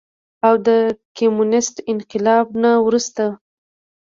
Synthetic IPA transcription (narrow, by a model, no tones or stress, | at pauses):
awd̪əkemunɪsʈɪnqɪlɑbnawɾust̪a